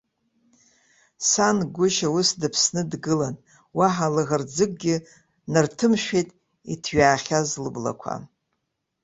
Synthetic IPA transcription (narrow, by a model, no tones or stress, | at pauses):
sanɡʷʊʃawʊsdɨpʰsnɨdɡɨlan | waħalɨɣard͡zɨk̚ʼɡʲɪ | nɨrtʰɨmʃᶣejtʼ | itʰɥaːχʲazlɨbla̰kʷʰa̰